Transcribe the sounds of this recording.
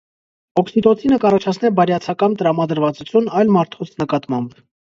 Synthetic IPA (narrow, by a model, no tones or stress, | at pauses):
ɔksit̪ɔt̪ʰinəkɑrɑt͡ʃʰɑt͡sʰnɛbɑɾjɑt͡sʰɑkɑnt̪əɾɑmɑd̪əɾvɑt͡sut͡sʰjunɑjlmɑɾt̪ʰɔt͡sʰnəkɑt̪mɑmb